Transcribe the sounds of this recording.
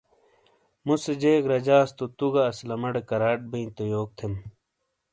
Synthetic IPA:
mused͡ʑeːɡɾɐd͡ʑaːst̪ot̪uɡaːslɐmɐɖekɐɾaːʈ̚biĩt̪ojoːk̚t̪ʰem

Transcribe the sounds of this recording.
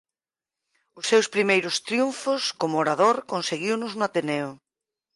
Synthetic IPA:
ʊsːewspɾimejɾʊst̪ɾjuɱfʊskomʊoɾað̞oɾkonseɣiwnʊznʊat̪eneʊ

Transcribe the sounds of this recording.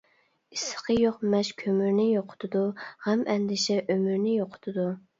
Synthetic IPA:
isə̥qʰəjoqmɛʃkʲʰømyɾnɪjoqʰʊ̥t̪ʰɨd̪uhæmɛnd̪ɪʃɛʔømyɾnɪjoqʰʊ̥t̪ʰɨd̪u

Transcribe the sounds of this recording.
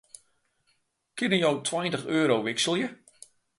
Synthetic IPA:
kɪnəjowtʰwajəntəxøːɾowʋɪksəl̩ˠjə

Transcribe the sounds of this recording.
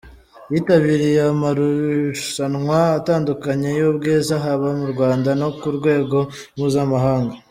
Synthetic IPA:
jitaβiɾijamaɾuʃanŋwaːtaːndukaɲejobɡeːzaɦaβamuɾɡwaːndano̞kuɾɡwe̞ːɡo̞ | ɾmuːzamaɦaːŋɡa

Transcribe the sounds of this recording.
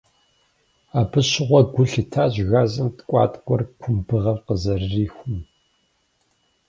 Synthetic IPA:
aːbɨɕɪʁʷɔɡʷʊɬɨtʰaːʑɣaːzɨmtkʷʼɑ̰ːtʼɡʷʼɔrkʷʰʊmbɨʁɐvqəzɐrːiːxʷʊm

